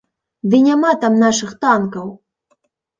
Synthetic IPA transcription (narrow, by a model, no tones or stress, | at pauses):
d̪ɨnʲamat̪amnaʂɨxt̪ankɐw